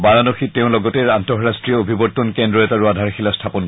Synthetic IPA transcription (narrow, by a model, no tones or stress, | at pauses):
baɹanoxiteʊ̃lɔɡɔtɛɹantɔɦɹastɹijɔobʱibɔtːɔnkendɹɔɛtaɹuadʱaɹxilastʰapɔnk